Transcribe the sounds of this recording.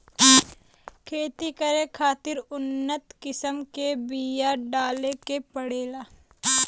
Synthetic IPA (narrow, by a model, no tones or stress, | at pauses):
kʰeːt̪ikəɾẽkʰaːt̪ɪɾʊnːət̪kɪsəmkebiːjaɖaːlekepəɽeːlaː